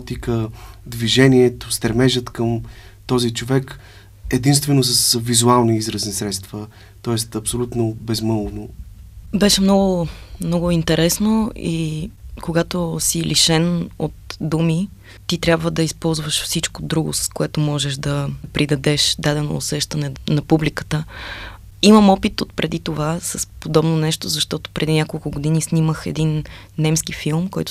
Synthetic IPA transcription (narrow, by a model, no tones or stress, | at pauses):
t̪ikəd̪viʒɛniɛt̪ost̪ɾɛmɛʒət̪kəmt̪ɔzit͡ʃovɛk | ɛd̪inst̪vɛnosəsvizualˠniizɾəsnisɾɛt̪st̪və | t̪ɔɛst̪ɐpsolʲut̪nobɛzmɤlˠno | bɛʃɛmnɔɡʊmnɔɡʊint̪ɛɾɛsnoḭkoɡat̪osiliʃɛno̰t̪d̪umi | t̪it̪ɾʲabvəd̪ɐispɔlˠzvəʃfsit͡ʃkod̪ɾuɡʊ̰sə̥skoɛt̪omɔʒɛʒd̪ɐpɾid̪ɐd̪ɛʃd̪ad̪ɛno̰ːsɛʃt̪ɐnɛnɐpublikə̥t̪ə | iməmɔpit̪ot̪̚pɾʔɛd̪it̪ovasəspod̪ɔbnonɛʃt̪ozɐʃt̪ɔt̪o̥pɾʔɛd̪inʲakolˠkʊɡod̪inisniməxɛ̰d̪inː | ɛmskifilˠmkɔjt̪o